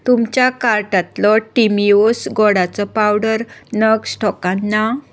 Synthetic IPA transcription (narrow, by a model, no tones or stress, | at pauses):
t̪umt͡ɕjakaɾʈat̪lɔʈimiosɡɔɽat͡sɔpawɽəɾnəɡsʈɔkãnːa